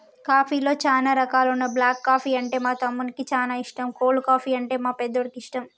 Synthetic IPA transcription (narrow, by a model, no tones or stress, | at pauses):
kaːpʰiːlo̞ːt͡ʃaːnaːɾɐkaːlunːɐblaːkːaːpʰiːɐɳʈe̞ːmaːt̪ɐmːunikit͡ʃaːnaːiʂʈɐmkoːlukaːpʰiːɐɳʈe̞ːmaːpɛd̪ːoɽɐkiʂʈɐm